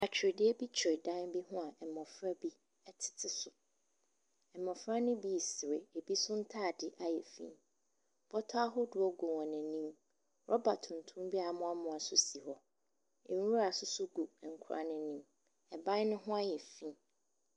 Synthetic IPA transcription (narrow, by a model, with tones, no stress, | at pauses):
a˨t͡ɕʰᶣɪ˨ɾɪ˨dɪ˦ɛ˦bi˦t͡ɕʰᶣɪ˨ɾɪ˨dã˦nbi˦ɦʊ̃˦a˨ʔɛ˨mɔ̃˨fɾa˦bi˦ | ɛ˦tʰɪ̥˨tʰɪ˨sʊ˨ | ɛ˨mɔ̃˨fɾa˦nʊ̃˦bi˦˨sɪ˨ɾḛ˨e˨bi˦sʊ˦n̩˦tʰaː˦˨dɪ˨ʔa˦jɛ˨fḭ̃˦n | b̥ɔ˦tʰɔ˦a˦ɦʊ˦dʊ˨ɔ˦ɡʊ˨wɔ̃˨nɪ̃˨nĩ˦m | ɾʔɔ˦ba˨tʰʊ̃˨n̩˨tʰʊ̃˦m˦bi˦a˨˦mʊ̃˦a˦mʊ̃˨a˨sʊ˦si˨hɔ˦ | e˨˦u˦ɾa˨sʊ˦sʊ˦ɡu˨ŋ̩˨kʰʊ˨ɾa̰˨nɪ̃˦nĩ˦m | ɛ˨bã˦nʊ̃˦ɦʊ̃˦a˦jɛ˨fĩ˦n